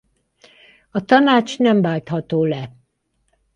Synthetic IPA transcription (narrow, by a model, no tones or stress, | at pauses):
ɒt̪ɒnaːt͡ʃnɛmbaːlt̪hɒt̪oːlɛ